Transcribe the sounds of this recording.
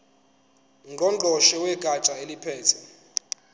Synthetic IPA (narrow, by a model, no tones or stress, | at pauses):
ŋɡʱɔd͡ɮʱɔʃɛwɛɡ̥ʱat͡ʃʼaelipʰɛːtʰɛ